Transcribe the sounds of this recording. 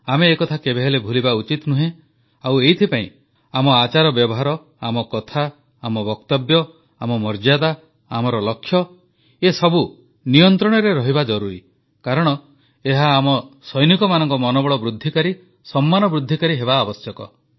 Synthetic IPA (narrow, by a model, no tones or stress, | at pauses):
ameːkɔt̪ʰakebeɦelebʱulibaut͡ʃit̪nuɦẽ | awejt̪ʰipaĩ | amɔat͡ʃaɾɔbjɔbɔɦaɾɔ | amɔkɔt̪ʰaː | mɔbɔkt̪ɔbjɔ | amɔmɔɾd͡ʒad̪a | amɔɾɔlɔkʰːjɔ | esɔbu | nijɔnt̪ɾɔɽ̃ɔɾeɾɔɦibad͡ʒɔɾuɾi | kaɾɔɽ̃ɔ | eɦaːmɔsɔjnikɔmanɔŋkɔmɔnɔbɔɭɔbɾud̪ʱːikaɾi | sɔmːanɔbɾud̪ʱːikaɾiɦebaːbɔsjɔkɔ̰